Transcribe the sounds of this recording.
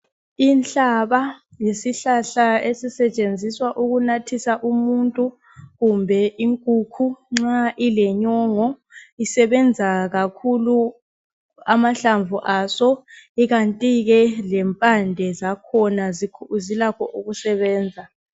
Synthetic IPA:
inɬʼaβa | jesiɬaɬaesisɛt͡ʃʼend͡zʱiswaʔuɣunatʰisaʔumuntʼu | ɣumbʱɛʔiŋkʼukʰuŋ͡ǁaʔilɛɲɔːŋɔ | isɛβɛnd͡zʱaɣakʰulu | amaɬaɱvuʔasɔiɣantʼiɣɛlɛmpʼandʱɛzakʰɔnazʰzilakʰɔʔuɣusɛβɛːnd͡zʱa

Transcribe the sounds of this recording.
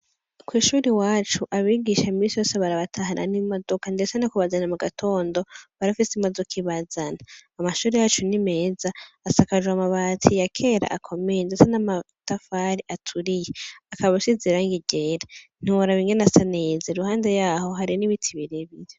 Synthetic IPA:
kwiːʃuːɾiwaːt͡ʃuʔaβiɡiʃamiːsijoːseβaɾaβatʰaɦanʔa̰nimodo̞kandesanakuβazanamuɡatʰo̞ːndo̞βaɾafisimodokʰiβazanaːmaʃuːɾejaːt͡ʃunime̞ːzaːsakaʒwamaβatʰijakʰe̞ːɾa̰ʔa̰kʰo̞mejndesanama | tafaɾiʔatʰuɾijeakaβaβusiziɾaːŋɡiɟeɾan̥ioɾaβiːŋɡenasaneːzeɾuhaːnde̞jaːho̞ɦaɾiniβitʰiβiɾeβiɾe

